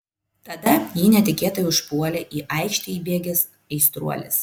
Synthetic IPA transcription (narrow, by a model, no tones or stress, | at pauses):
t̪ɐd̪ɐjiːnʲɛt̪ʲɪkʲeːt̪ɐjʊʃpuɔlʲɛʔiːʔɐɪkʃʲt̪ʲɪibʲeːɡʲɛs | ɛɪst̪ɾṵɔlʲɪ̰s